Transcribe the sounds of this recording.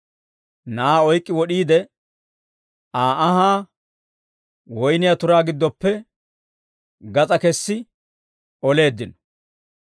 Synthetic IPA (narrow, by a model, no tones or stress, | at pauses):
naaːɔjkʼːɪwɔɗiːd̪ɛ | aːɐɦaː | wɔjnɪjat̪ʊɾaːɡɪd̪ːɔpːɛ | ɡɐt͡sʼɐkɛsːɪ | ɔle̞ːd̪ːɪnɔ̥